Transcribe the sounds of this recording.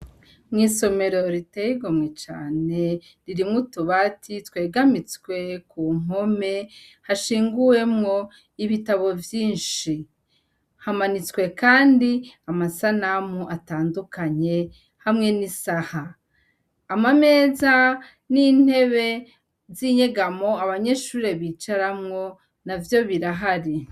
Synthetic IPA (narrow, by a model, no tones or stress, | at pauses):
mŋiːso̞me̞ɾo̞ɾitejiɡomŋet͡ʃa̰ːne̞ | ɾiɾimŋutuβatʰitwe̞ːɡamit͡skwe̞kuŋ̥o̞me̞haʃiːŋɡuje̞mŋo̞ | iβitaβo̞vjiːnʃi | hamanit͡skwe̞kaːndiamasanamuʔataːndukaɲe̞ | hamŋe̞nisahaː | mame̞ːza | nin̥he̞βe̞ | ziɲeɡamo̞aβaɲe̞ʃuːɾe̞βiːt͡ʃaɾamŋo̞ | navjo̞βiɾaɦaɾi